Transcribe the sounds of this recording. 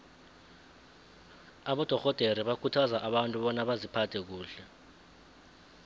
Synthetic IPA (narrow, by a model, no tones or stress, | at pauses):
aɓɔd̥ʱɔxɔd̥ʱeɾiɓakʰutʰazaʔaɓantʼuɓɔnaɓazipʰatʰɛk̬uːɬɛ